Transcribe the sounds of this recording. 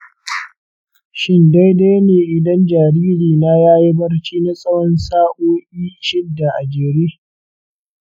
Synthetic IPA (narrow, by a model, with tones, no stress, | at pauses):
ʃɪ˦nda˦jda˦jneː˨ʔɪ˨dɐ˦nd͡ʒaː˨ɾiː˦ɾiː˨na˦jaː˦ji˦bɐ˦rt͡ʃiː˦na˦sʼɐ˦wɔ˦nsaː˦ʔoː˦ʔiː˦ʃɪ˦dːa˨ʔa˨d͡ʒeː˨ɾeː˦